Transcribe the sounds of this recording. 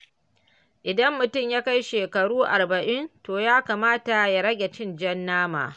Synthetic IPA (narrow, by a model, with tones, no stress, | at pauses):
ʔɪ˨dɐ˦mːʊ˨tʊ˦˨mjaː˦ka˦jʃeː˨kɐ˨ɽuː˦ʔa˨rbɐ˨ʔɪ˦ntoː˨jaː˦kaː˨maː˦ta˨ja˦ɽɐ˦ɡʲe˨t͡ʃɪ˦nd͡ʒɛ˦nːaː˦ma̰ː˨